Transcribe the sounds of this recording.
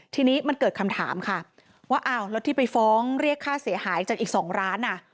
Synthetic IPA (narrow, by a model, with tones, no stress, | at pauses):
t̪ʰiː˧niː˦˥ma˧nkɤː˨˩t̪̚kʰa˧mt̪ʰa̰ː˩˦mkʰa˥˩ | waː˥˩ʔaː˧˩wlɛ˦˥t̪ʰːiː˥˩pa˧jfɔː˦˥ŋɾi˥˩əkʰːaː˥˩si˩˦ɐɦaː˩˦jt͡ɕaː˨˩k̚ʔiː˨˩k̚sɔː˩˦ŋɾaː˦˥nʔːa˧˥˩